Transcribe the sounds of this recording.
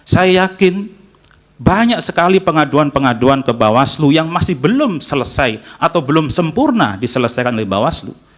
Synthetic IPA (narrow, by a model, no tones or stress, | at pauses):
sajajakɪn | baɲak̚səkalipəŋaduanpəŋaduankəbawaslujaŋmasɪhbəlʊmsələsajʔat̪awbəlʊmsəmpurna̰disələsajkanolɛhba̰waslṵ